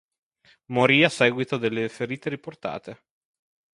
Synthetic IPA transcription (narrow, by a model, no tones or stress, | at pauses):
moɾiːasːɛːɡwit̪od̪elːefeɾiːt̪eɾiport̪a̰ːt̪e